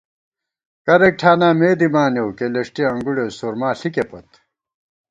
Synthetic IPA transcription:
kɐɾek̚ʈʰaːnaːmeːd̪imaːnewkelɐʂʈiɐŋɡuɽesoɾmaːɬikepɐt̪

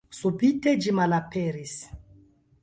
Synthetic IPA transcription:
subited͡ʒimalapeɾis

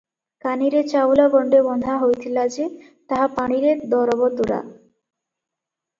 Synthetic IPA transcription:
kaniɾet͡ɕabulaɡɔɳɖebɔnd̪ʱaɦojt̪ʰilad͡ʑe | t̪aɦapaɽ̃iɾeɾd̪ɔɾabod̪ːoɾa̰

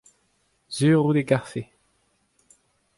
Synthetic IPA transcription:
z̥yːʁud̪eɡaʁfe

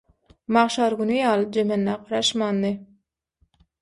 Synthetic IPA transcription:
mɑʁʃɑɾɡunyjɑːlˠɯd͡ʒemenːæqɑɾɑʃmɑːnd̪ɯ

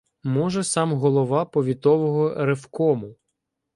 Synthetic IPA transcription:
mɔʒɛsɑmɦɔlˠɔʋɑpɔʋʲit̪ɔʋɔɦɔɾefkɔmʊ

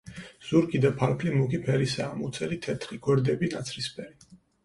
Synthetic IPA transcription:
z̥uɾkʰʼid̪apʰaɾpʰlimukipʰɛɾisaːmut̪sʰɛɾit̪ʰɛt̪ʰχiɡ̥ɔɾd̪ɛbinat̪sʰɾispʰɛɾi

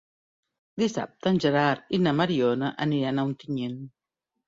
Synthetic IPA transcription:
d̪isa̰p̚t̪anʲʒaɾaɾinamaɾionaʔanianawnt̪iɲen

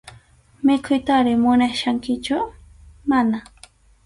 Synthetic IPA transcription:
mɪkʰʊjt̪aɾɪmʊnaʃaŋkɪt͡ʃʊmana

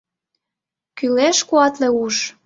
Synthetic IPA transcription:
kyleʃkuɑt̪leuʃ

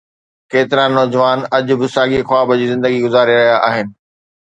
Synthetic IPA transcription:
keːt̪ɪɾãnɔːd͡ʑʋaːnɐʄʊ̆bɪsaːɠixwaːbəd͡ʑiːzɪ̃nd̪əɡiɡʊzaːɾiɾɐɦijaʔaːɦɪnɪ̆

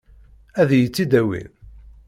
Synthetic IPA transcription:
æðjət͡sːid̪æwḭn

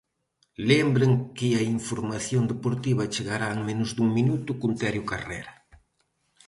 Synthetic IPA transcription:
lembɾeŋkɪɐiɱfoɾmaθjond̪epoɾt̪iβɐt͡ʃeɣaɾaeŋmẽnʊzd̪uŋminut̪ʊkunt̪ɛɾjʊkarɛ̰ɾɐ

